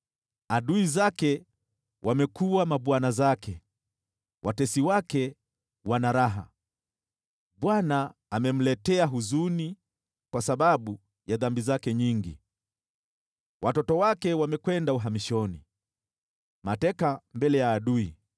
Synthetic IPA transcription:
aɗuizakɛ | wʔamɛkuwamaɓwanazakʰɛ | wʔatɛsiwakɛ | wanaɾaɦa̰ | ɓwanaːmɛm̩lɛtɛaɦuzuni | kwasaɓaɓu | jaðambizakɛɲiŋɡḭ | wʔatɔtɔwakɛwamɛkwɛndauɦamiʃɔnḭ | matɛkambɛlɛjaːɗui

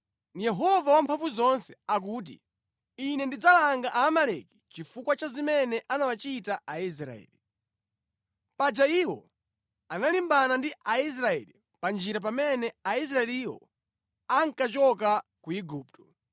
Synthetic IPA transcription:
jɛɦɔvawampʰaɱvuzɔnsɛak̬uːt̬ḭ | inɛndid͡zalaŋɡaʔaːmalɛki̥t͡ʃifukwat͡ʃazimɛnɛʔanawat͡ʃitaʔais̬ɾa̰ɛ̰li | pad͡ʒaiːwɔ | analimbanandiʔais̬ɾaɛ̰li | pand͡ʒiɾap̬amɛnɛais̬ɾaɛliwɔ̰ | aŋ̩kat͡ʃɔkakuiɡuːp̚tʰɔ̥

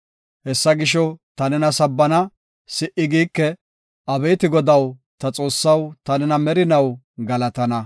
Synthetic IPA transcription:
hɛsːɐɡɪʃɔt̪ɐnɛnɐsɐbːɐnɐ | sɪʔɪɡiːkːɛ | ɐbɛjt̪ɪɡɔd̪ɐwt̪ɐt͡sʼo̞ːsːɐwt̪ɐnɛnɐmɛɾɪnɐw | ɡɐlɐt̪ɐnɐ

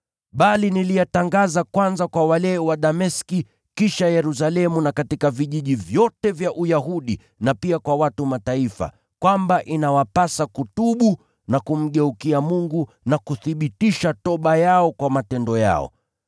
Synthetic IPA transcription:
ɓalinilijataŋɡazakwanzakwawalɛwaɗamɛski | kiʃajɛɾus̬alɛmunakatikaviʄiʄivjɔtɛvjaʔujaɦuɗi | napiakwawatumataifa̰ | kwambaʔinawapasakutuɓu | nakum̩ɠɛukiamuŋɡu | nakuθiɓitiʃatɔɓajaɔkwamatɛndɔja̰ɔ̰

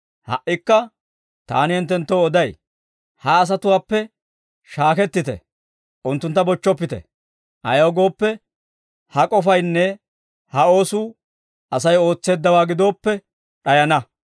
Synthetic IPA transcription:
hɐ̰ʔːɪkːɐ | t̪a̰ːnɪhɛnt̪ːɛnt̪ːoːɔd̪ɐj | hɐːs̬ɐt̪ʊwaːpːɛ | ʃaːkɛt̪ːɪt̪ɛ̰ | ʔʊnt̪ːʊnt̪ːɐbɔt͡ʃːɔpːɪt̪ɛ̰ | ʔɐ̰jɐwɡo̞ːpːɛ | hɐkʼɔfɐjnːɛ | hɐo̞ːsuː | ʔɐsɐjo̞ːt͡sːe̞ːd̪ːɐwaːɡɪd̪o̞ːpːɛ | ᶑɐjɐnɐ

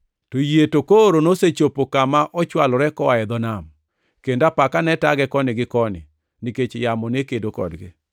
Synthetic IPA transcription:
tojetokoɾonoset͡ʃopokamaʔɔt͡ʃwalɔɾɛkɔwaɛd̪ɔnam | kendapakanɛtaɡɛkɔnɪɡɪkɔnɪ̰ | niket͡ʃjamɔnekedokɔ̰dɡɪ

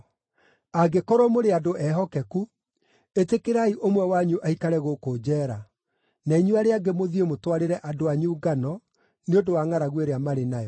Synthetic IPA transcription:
aɡekɔɾɔmoɾeadoʔɛɦɔkɛku | etekeɾaiʔomwɛwaɲuʔaikaɾɛɣokod͡ʑɛːɾa | naiɲuaɾeaɡemoðiemotwaɾeɾɛʔadoaɲuːɡanɔ | neondowaŋaɾaɣweɾeamaɾenajɔ

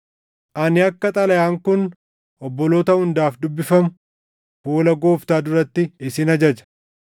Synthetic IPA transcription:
ʔɐnɪɐkːɐt̪ʼɐlɐjaːŋkʊn | ʔɔbːɔlo̞ːt̪ɐhʊnd̪aːfd̪ʊbːɪfɐmʊ | hoːlɐɡo̞ːft̪aːd̪ʊɾɐt̪ːɪːsɪnɐd͡ʒɐd͡ʒɐ̥

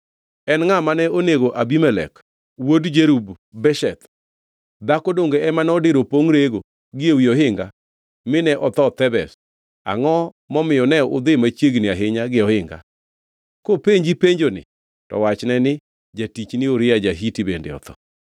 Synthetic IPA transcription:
ɛnŋamanɛoneɡoʔabimɛlɛ̰k | wodd͡ʒeɾubː | ɛʃɛt̪ | d̪akodoŋɡeɛmanɔdɪɾopoŋɾeɡo | ɡɪowioɦɪŋɡa | mɪnɛʔɔt̪ɔt̪ɛbɛs | a̰ŋɔ | mɔmɪjɔnɛʊ̰d̪ɪmat͡ʃjeɡnɪaɦɪɲaɡɪɔhɪŋɡa̰ | kopeɲd͡ʒipeɲd͡ʒonɪ̰ | tɔ̰wat͡ʃnɛnɪ | d͡ʒatit͡ʃnɪoɾɪjad͡ʒaɦitibendḛɔ̰t̪ɔ̰

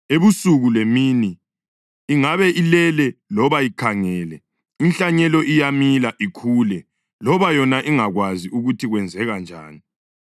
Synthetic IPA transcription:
eβusuɣulemiːniː | ŋaβɛʔilɛlɛlɔβaikʰaŋɛːlɛ | inɬaɲɛlɔʔijamilaʔikʰuːlɛ | lɔβajɔnaʔiŋaɣwaziuɣutʰiɣwɛnd͡zʱɛɣand͡ʒʱa̰ːni

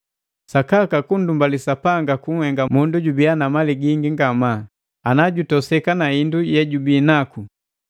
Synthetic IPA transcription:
sakakakun̩dumbalisapaŋɡakuŋ̩hɛŋɡamunduɟubianamaliɡiŋɡiŋɡama | anaɟutɔsɛkanaindujɛɟubiːnaku

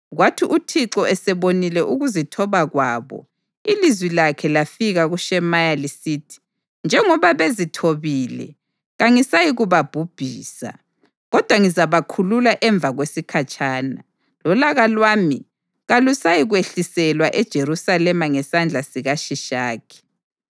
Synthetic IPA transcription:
ɣwatʰiʔutʰiǁɔɛsɛβonilɛʔuɣuzitʰɔβaɣwaːβɔ̰ | ilizwilakʰɛlafiɣaɣuʃɛmajalisiːtʰi̥ | nd͡ʒʱɛŋɔβaβezitʰoβiːlɛ̰ | ɣaŋisajiɣuβab̥ʱub̥ʱiːsa̰ | ɣɔd̥ʱwaŋizaβakʰululaʔɛɱb̪vʱaɣwesikʰat͡ʃʼʰaːna | lɔlaɣalwaːmi | ɣalusajiɣweɬisɛlwaʔɛd̥ʒ̥ʱeɾusalɛmaŋɛsand͡ɮʱasiɣaʃiʃaːkʰi̥

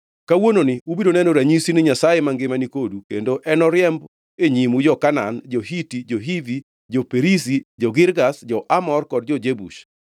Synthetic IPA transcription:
kawononɪubidonɛnɔɾaɲisinɪɲasajemaŋɡɪmanikodukendoʔɛnɔɾjɛmb | eɲimud͡ʒɔkanand͡ʒɔɦitid͡ʒoɦivi | d͡ʒopeɾisid͡ʒɔɡɪɾɡasd͡ʒɔʔamɔrkɔd̚d͡ʒɔd͡ʒebṵʃ

